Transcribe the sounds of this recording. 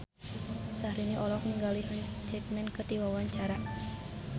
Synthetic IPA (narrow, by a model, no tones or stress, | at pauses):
sahɾiniʔɔlɔkniŋɡaliɦənt͡ʃɛk̚mɛnkɨrdiwawaɲt͡ʃaɾa